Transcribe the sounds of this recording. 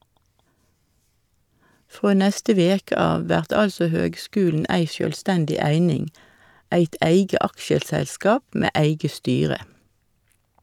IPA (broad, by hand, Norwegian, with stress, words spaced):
ˈfʁoː ˈnɛstə ˈʋeːkə ˈɑːʋ ˈʋæʁt ˈɑlsɔ ˈhøːɡˌskʉːln̩ ˈæɪ sjøːlˈstændɪ ˈæɪnɪŋ ˈæɪt ˈæɪɡə ˈɑkʃəsɛlˌskɑːp ˈmeː ˈæɪɡə ˈstyːʁə